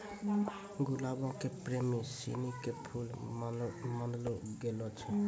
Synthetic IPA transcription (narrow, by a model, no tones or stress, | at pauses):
ɡʊlabõkepɾemisḭnikepʰul | mãnd̪lɔɡelɔt͡ʃʰɛ